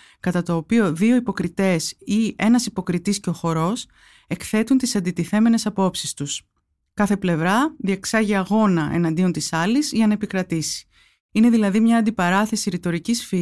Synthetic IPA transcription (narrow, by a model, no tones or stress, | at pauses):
kɐt̪ɐt̪o̞ːpio̞ðio̞ipo̞kɾit̪e̞sie̞nɐsipo̞kɾit̪isceo̞xo̞ɾo̞s | e̞kθe̞t̪unt̪isɐnd̪it̪iθe̞me̞ne̞sɐpo̞psist̪us | kɐθe̞ple̞vɾɐðieksɐʝiɐɣo̞nɐʔe̞̰nɐnd̪io̞nt̪isɐlizʝɐnɐe̞pikɾɐt̪isi̥ | ine̞ðilɐðimɲɐːnd̪ipɐɾɐθe̞siɾit̪o̞ɾicisfi